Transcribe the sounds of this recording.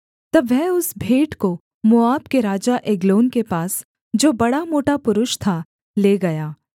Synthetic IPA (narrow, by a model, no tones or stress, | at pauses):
t̪ɐbʋɛɦʊsbʱeːʈko | mʊaːbkeɾaːd͡ʒaʔeɡloːnkepaːs | d͡ʒoːbɐɽamoːʈapʊɾʊʃt̪ʰa | leːɡɐjaː